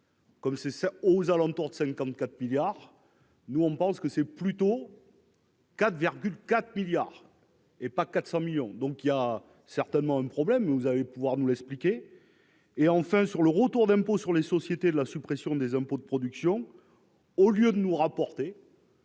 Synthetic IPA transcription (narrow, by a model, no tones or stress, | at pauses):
kɔmsɛsɛozalɑ̃t̪uʁd̪əsɛ̃ŋkɑ̃t̪kat̪miljaʁ | nuɔ̃pɑ̃skəsɛplyt̪o | kat̪χviʁɡʲylkat̪χmiljaʁ | epakat̪sɑ̃miljɔ̃d̪ɔ̃kija | sɛʁt̪ɛnmɑ̃ɛ̃pχɔblɛmːɛvuzalepuvwaʁnulɛksplikʲeː | ɑ̃fɛ̃syʁləʁət̪uʁd̪ɛ̃posyʁlesɔsjet̪ed̪əlasypχesjɔ̃d̪ezɛ̃pod̪əpχɔd̪yksjɔ̃ | oljød̪ənuʁapɔʁt̪e